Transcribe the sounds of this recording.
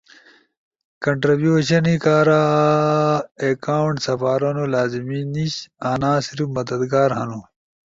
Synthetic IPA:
kɐɳʈɾibjuːɕɐnikaːɾa | ekaːuɳʈsɐfaːɾɐnolaːzimiːniɕaːnãːsiɾimɐd̪ɐd̪ɡaːɾɦɐnu

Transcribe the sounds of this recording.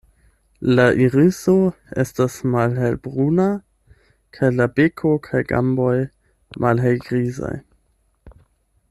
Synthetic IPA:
laʔiɾiso | ḛstasmalɦelbʁuna | kʰajlabekʰokʰajɡa̰mbo̞j | mʔalɦejɡʁiza̰j

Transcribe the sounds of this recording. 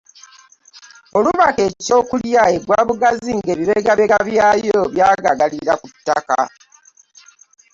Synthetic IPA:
o̞luβake̞ːco̞ːkuljaeɡwaːβuɡaziŋɡe̞ːβiβeɡaβeɡaβjaːjoβjaːɡaɡaliɾakutːaka̰

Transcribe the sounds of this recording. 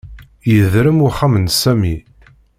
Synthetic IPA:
jəðɾəmʊχamənsæmi

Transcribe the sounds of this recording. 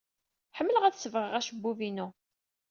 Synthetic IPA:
ħəmːələʁæθsəvʁəʁæʃəbːuvinu

